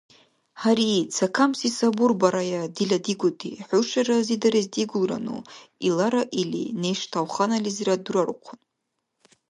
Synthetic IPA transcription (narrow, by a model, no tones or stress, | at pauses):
ħaɾit͡sʰakʰamsisaburbaɾajadiladiɡʷʊtʰḭħuʂarazidaɾazdiɡʷulra̰nṵilaɾaʔilḭnejʂtʰawχanalizradurarqʷʰʊn